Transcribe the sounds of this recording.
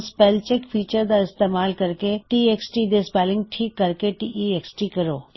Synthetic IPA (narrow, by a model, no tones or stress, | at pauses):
spɛːlt͡ʃekfiːt͡ʃəɾd̪aɪst̪eːmaːlkɐɾkeʈiːeksʈid̪espɛːlɪ̃ŋɡ̚ʈʰiːkːəɾkeʈiʔieksʈikɐɾoː